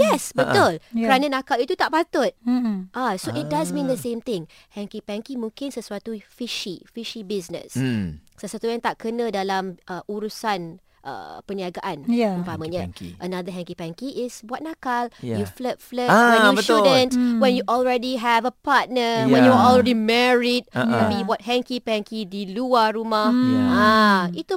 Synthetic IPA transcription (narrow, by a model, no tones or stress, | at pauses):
jɛsbət̪ʊlkəɾanãnãkalit̪ut̪aʔpat̪ʊt̪̚ʔasoʔit̚dazmĩnd̪əsẽmt̪ɪ̃ŋ | hɛ̃ŋkipɛ̃ŋkimũŋkɪnsəsuat̪ufiʃḭfiʃibisnə̰̃ssəsuat̪ujãŋt̪aʔkənə̃dalamʔəʔuɾusan | ʔə̰pəniaɡaʔanjupamãɲãkiʔənad̪əɦɛ̃ŋkipɛ̃ŋkiʔɪsbat̚nakaljuflət̚fləwɛ̃jubəudəntwɛ̃njuʔɔlɹɛdiɦɛvəpat̚nəjwɛ̃juɔlɹɛdimɛɹid̚ɛ̃biwɔt̚ɦɛ̃ŋkipɛ̃ŋkidiluaɾumahait̪u